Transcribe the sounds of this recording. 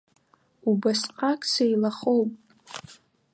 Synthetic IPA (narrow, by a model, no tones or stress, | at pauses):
ubasqʼakʼsejlaχowpʼ